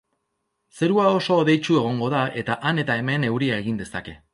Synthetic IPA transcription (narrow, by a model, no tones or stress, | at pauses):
se̞ɾuao̞so̞ːðe̞jt͡ʃue̞ɣ̞o̞ŋɡo̞ðae̞t̪aʔane̞t̪ae̞me̞ne̞wɾiae̞ɣ̞ind̪e̞sake̞